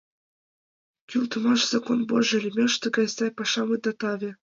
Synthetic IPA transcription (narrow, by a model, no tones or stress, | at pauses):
kʲylt̪ɤ̆mɑʃz̥ɑkonboʒĕlʲmʲĕʃt̪ɤ̆ɡɑjsɑjpɑʃɑmɯd̪ɑt̪ɑβʲĕ